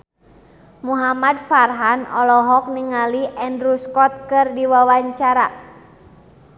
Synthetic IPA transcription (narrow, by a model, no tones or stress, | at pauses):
muɦamadfarɦanɔlɔɦɔk̚niŋaliʔɛndɾuskɔt̪̚kɨrdiwawaɲt͡ʃaɾa